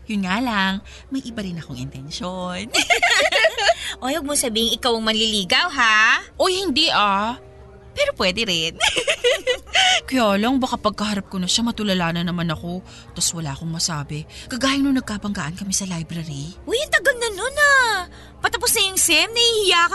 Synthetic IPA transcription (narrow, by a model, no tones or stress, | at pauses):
jʊnŋaːlɐŋ | mɐjʔɪbɐɾɪnɐkoŋɪ̰nt̪ɛnʃon | ʔojwɐɡ̚mosɐbiːhɪŋɪkawɐŋmɐnliliːɡɐwɦaʔojhɪnd̪iʔa | pɛːɾopwɛːd̪ɛɾɛn | kɐjoːloŋbɐkapɐɡ̚kɐhɐɾap̚konɐʃamɐt̪ʊlɐlaːnɐnɐmanɐko̞ | t̪ɐswɐla̰ːʔɐkoŋmɐsaːbɛkɐɡaːhɪŋnoŋnɐɡ̚kaːbɐŋɡaːʔɐnkɐmɛsɐlajbɾɐɾiʔojʊt̪ɐɡɐŋnɐnonːɐ | pɐt̪ɐpʊsnɐjʊŋsɛmnɐihɪjaːk